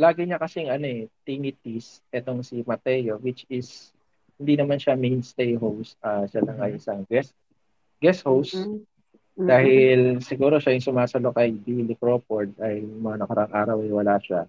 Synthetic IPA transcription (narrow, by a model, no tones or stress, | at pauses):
laːɡɪɲɐkɐsɛŋɐno̞ɛt̪iŋɪt̪isʔɛt̪o̞ŋsimɐt̪ɛːjo̞wɪt͡ʃɪs | hɪnd̪inɐmanʃamejnst̪ejɦowsʔaʃalɐŋɐjʔɪsɐŋɡɛs | ɡɛshows | d̪̥aːhɪlsɪɡuːɾo̞ʃajʊŋsʊmaːsɐlokɐjd̪ilɪpɾop̚oɹd̪̚ɐjmɐŋanɐkɐɾʔaŋʔaːɾɐwɐjwɐlaʃa̰